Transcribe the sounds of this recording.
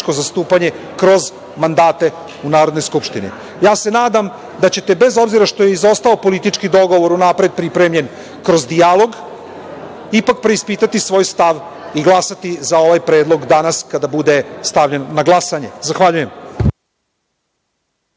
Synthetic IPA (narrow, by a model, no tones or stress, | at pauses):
ko̞zast̪uːpaɲe̞ | kɾo̞z | mand̪aːt̪e̞ | unaːɾod̪no̞jskupʃt̪inḭ | jaːse̞naːd̪am | d̪at͡ɕe̞t̪e̞be̞zo̞bziɾaʃt̪o̞jeizo̞st̪aopo̞lit̪it͡ʃkid̪o̞ɡo̞ʋo̞ɾunapɾe̞d̪̚pɾipɾemʎe̞n | kɾo̞zd̪ijalˠo̞ɡ | ipak̚pɾe̞ispiːt̪at̪isʋo̞ːjst̪aʋ | iɡlˠasat̪izao̞ʋajpɾe̞ːd̪lˠo̞ɡd̪anaskad̪abud̪est̪aʋʎe̞nnaɡlˠasaɲe̞zaxʋaʎuje̞m